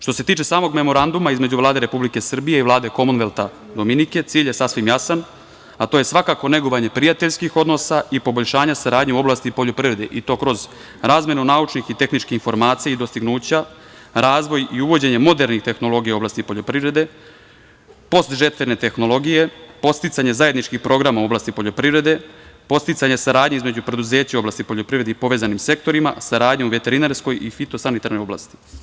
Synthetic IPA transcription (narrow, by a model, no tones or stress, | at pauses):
ʃt̪o̞set̪iːt͡ʃe̞saːmo̞ɡme̞mo̞ɾand̪umaizme̞d͡ʑuʋlˠaːd̪e̞ɾe̞publike̞sr̩bije̞ivlˠaːd̪e̞ko̞munʋelˠt̪a | d̪o̞minike̞t̪siːʎje̞sasʋimjasan | at̪oje̞sʋakako̞ne̞ɡoʋaɲe̞pɾijat̪eʎskixo̞d̪no̞saipo̞bo̞ʎʃaːɲasaɾaːd̪ɲeuo̞blˠaːst̪ipo̞ʎopɾiɾe̞d̪ḛʔit̪o̞ːkɾo̞z | ɾaːzmje̞nunaut͡ʃnixit̪e̞xnit͡ʃkixinfo̞ɾmaːt̪sijaid̪o̞st̪iɡnuːt͡ɕa | ɾaːzʋo̞jiuʋo̞d͡ʑe̞ɲemo̞d̪e̞ɾnixt̪e̞xno̞lo̞ɡijao̞blaːst̪ipo̞ʎo̞pɾivɾe̞d̪e̞ | po̞st̪ʒe̞t̪ʋe̞ne̞t̪e̞xno̞lo̞ɡije̞po̞st̪it̪saɲe̞zaje̞d̪nit͡ʃkixpɾo̞ɡɾamauo̞blaːst̪ipo̞ʎo̞pɾivɾe̞d̪e̞po̞st̪it̪saɲesaɾaːd̪ɲeizme̞d͡ʑupɾe̞d̪uze̞ːt͡ɕao̞blˠaːst̪ipo̞ʎo̞pɾivɾe̞d̪eipo̞ʋe̞ːzanimse̞k̚t̪o̞ɾima̰saɾaːd̪ɲeuʋe̞t̪e̞ɾineɾsko̞jifit̪o̞sanit̪aɾno̞jo̞bla̰ːst̪i̥